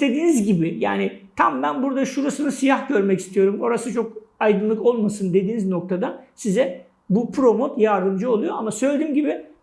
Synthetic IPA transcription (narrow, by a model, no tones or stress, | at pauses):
st̪e̞d̪iːnizɟibɪja̰ːnɪt̪ʰambænbuɾd̪aʃuɾasɯnɯsijaxɟø̞ɾmɛci̥st̪ijo̞ɾumo̞ɾasɯt͡ʃʰo̞kajd̪ɯnlˠɯko̞lˠmasɯnd̪e̞d̪iːnizno̞k̚t̪ʰad̪asizɛ | bupʰɾo̞mot̪jaɾd̪ɯmd͡ʒɯo̞lˠujo̞amasø̞jlʲed̪iːmɟibɪ